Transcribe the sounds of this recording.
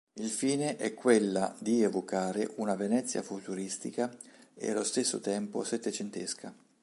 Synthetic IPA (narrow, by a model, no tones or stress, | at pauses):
ilfiːneʔɛkʰːwelːa̰d̪ievokaːɾeʔunavenɛt̪sːja̰fut̪uɾist̪ikaḛalost̪esːo̰t̪ɛmpo̰set̪ːet͡ʃent̪eskʰa